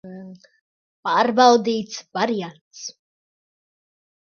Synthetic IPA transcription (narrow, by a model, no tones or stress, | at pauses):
paːɾbawd̪iːt̪svaɾijantt̪s